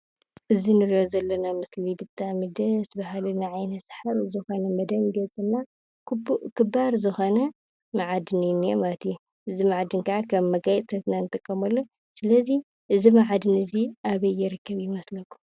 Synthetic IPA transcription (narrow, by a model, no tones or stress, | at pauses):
ʔɨzinɨɾijozɐlːɐnamɨslibɨt̪ʼːamid̪ɐsbaɦalunːaʕajnɐsħaɾuzɨxo̞nɐmɐd̪ɐnɡɐt͡sʼɨnːa | kʰɨbaɾzɨxo̞nɐ | maʕad̪ɨnijnːijomat̪ʰju | ʔɨzimaʕd̪ɨnkʰaʕakʰɐβmɐɡajt̪ʼsʰɐt̪nanɨt̪ʼɨkʼːɐmɐlːo | sɨlɐzi | ʔɨzimaʕad̪ɨnɨziʔaβɐjːɪɾɨkʰːɐβjɪmɐslɐkʰʼːu̥m